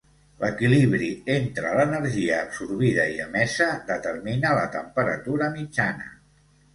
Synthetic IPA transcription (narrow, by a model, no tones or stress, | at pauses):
ləkiliβɾient̪ɾələnəɾʒiəːpsurβiðəiəmɛsəðət̪ərminələt̪əmpəɾət̪uɾəmid͡ʒanə̰